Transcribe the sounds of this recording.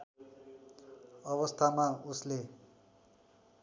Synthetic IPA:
ʌβʌst̪ʰamausle

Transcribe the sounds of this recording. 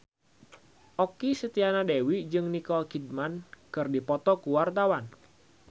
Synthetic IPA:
ʔɔkisət̪ianadewid͡ʒɨŋnikɔlkid̚mankɨrdipɔt̪ɔkuwart̪awan

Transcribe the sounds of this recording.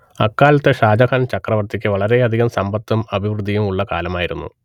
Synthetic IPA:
ɐ̰kːaːlɐt̪ːeʂaːd͡ʑɐkɐːnt͡ɕɐkrɐʋɐrt̪ːikʲːɨʋɐɭɐɾe̞ɐd̪ʱiɣɐmsɐmbɐt̪ːɐmɐbʱiʋrud̪ʱːijumuɭːɐka̰ːlɐmaːjiɾṵnːṵ

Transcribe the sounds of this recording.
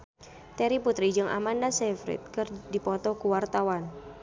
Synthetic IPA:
t̪ɛɾiput̪ɾid͡ʒɨŋʔa̰mandasɛfɾḭt̪̚kɨrdipɔt̪ɔkuwart̪awan

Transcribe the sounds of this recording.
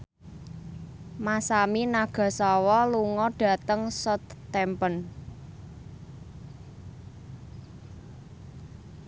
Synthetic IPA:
masaminaɡ̥ä̤sawɔluŋɔɖ̥ä̤t̪əŋsɔt̪t̪ɛmpən

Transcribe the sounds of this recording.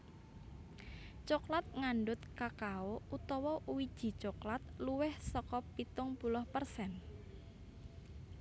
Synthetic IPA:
t͡ʃɔklat̪̚ŋaɳɖʊt̪̚kakaout̪ɔwɔʔuwid̥ʒ̥i̤t͡ʃoklat̪̚luwɪhsɔkɔpit̪ʊŋpulɔhpərsɛn

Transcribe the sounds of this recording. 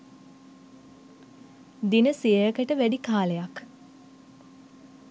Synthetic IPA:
d̪inəsiəjəkəʈəʋæɖikaːlejak

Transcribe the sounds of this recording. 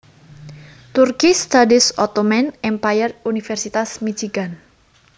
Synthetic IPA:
t̪urkist̪adisɔt̪ɔmɛnɛmpajərunifɛrsit̪asmit͡ʃiɡ̥an

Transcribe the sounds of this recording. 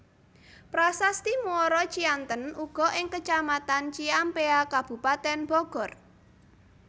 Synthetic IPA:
pɾasast̪imuɔɾɔt͡ʃiant̪ənuɡ̥ɔ̤ʔɪŋkət͡ʃamat̪ant͡ʃiampeakab̥ṳpat̪ɛnb̥ɔɡ̥ɔ̤r

